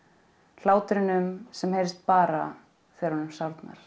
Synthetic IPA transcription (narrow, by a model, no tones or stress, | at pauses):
l̥aːwt̪ɾɪnʏmsɛmhejɾɪst̪̚paːɾa | fɛːɾhɔnʏmsawɾt̪na̰ɾ̥